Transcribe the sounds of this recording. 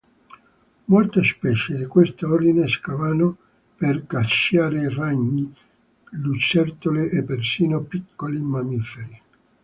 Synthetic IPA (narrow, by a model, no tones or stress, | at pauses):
molt̪espɛt͡ʃed̪ikwest̪aord̪ineskavaːno | perkaʃjaːɾeraɲːi | lut͡ʃːɛrt̪oleʔepːersiːnopikːolimamifeɾi